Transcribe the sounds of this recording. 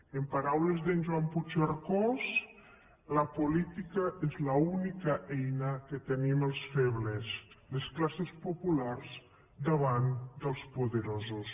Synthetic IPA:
empaɾawlezðənʲʒwamput͡ʃaɾkɔz | ləpulit̪ikəʔezlaunikəʔɛjnəket̪eniməlˠsfeβles | lesklasespopularz | d̪əβand̪əlˠspuðəɾozus

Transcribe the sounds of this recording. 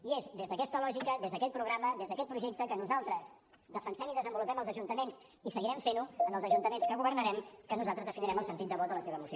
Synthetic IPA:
iezd̪ezðəkɛst̪əlɔʒikəðezðəkɛt̪pɾuɣɾaməðezðəkɛt̪pɾuʒɛk̚t̪əkənuzalˠt̪ɾəz | ðəfənsɛmiðəzəmbulupɛməlˠzəʒunt̪əmens | isəɣiɾɛɱfenuənəlˠzəʒunt̪əmenskəɣuβərnəɾɛmkənuzalˠt̪ɾəzðəfiniɾɛməlˠsənt̪it̪̚d̪əβɔt̪ələseβəːmus

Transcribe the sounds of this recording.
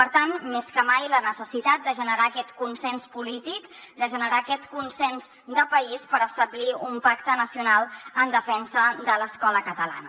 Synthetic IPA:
pəɾt̪anmeskəmajlənəsəsit̪at̪̚d̪əʒənəɾakɛt̪kunsɛnspulit̪ikd̪əʒənəɾaːkɛt̪kunsɛnz | d̪əpəispəɾəst̪əbliumpakt̪ənəsiunalˠənd̪əfɛnsəd̪ələskɔləkət̪əla̰nə

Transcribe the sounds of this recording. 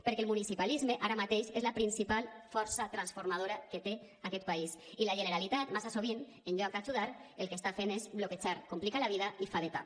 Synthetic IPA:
peɾkelmunisipalizmeʔaɾamat̪eʃezlapɾinsipalfɔɾsat̪ɾansfoɾmað̞oɾaket̪e | akɛt̪̚paisilaʒeneɾalit̪at̪masasoβ̞in | enʎuaŋkat͡ʃuðaɾelˠkest̪afenezβloket͡ʃaɾkomplikalaβiðaifaðet̪a̰

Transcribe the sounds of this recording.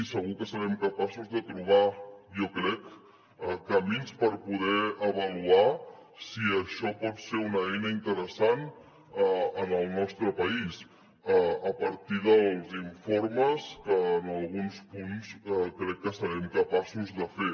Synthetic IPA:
isəɣukəsəɾɛmkəpasuzðət̪ɾuβ̞ajokɾɛk | əkəminspəɾpuð̞ɛəβəlua | siəʃɔpɔt̪seunəɛjnəint̪əɾəsan | əənəlˠnɔst̪ɾəpəis | əəpəɾt̪iðəlˠziɱfoɾməskənəlˠɣunspunskɾɛkːəsəɾɛmkəpasuzðəfe

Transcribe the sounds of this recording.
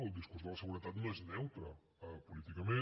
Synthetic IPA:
əlˠd̪iskurzðələsəɣuɾət̪at̪noeznɛwt̪ɾə | əpulit̪ikəme

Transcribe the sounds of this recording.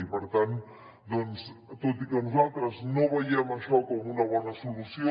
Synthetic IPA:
ipəɾt̪an | d̪ɔnst̪ot̪ikənuzalˠt̪ɾəznoβəjɛməʃɔkɔmunɐβ̞ɔnɐsulusio

